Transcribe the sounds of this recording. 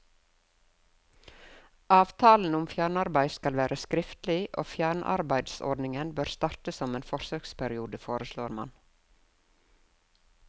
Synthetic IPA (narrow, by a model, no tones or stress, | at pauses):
ʔɑːʋt̪ʰɑːln̩ʊmfjæːɳɑɾbæɪskɑlʋæːɾʔəskɾɪft̪lɪʔo̰ːfjæːɳʔɑ̰ɾbæɪd̪sɔ̰ɖnɪŋənbøːɾst̪ɑːɾt̪əsɔmeːnfɔɾsøːkspʰæɾɪuːd̪əfoːɾəsloːɾmɑ̰n